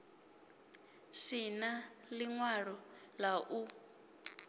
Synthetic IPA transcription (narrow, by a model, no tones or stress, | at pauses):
sinaliŋwaɺɔlaʔu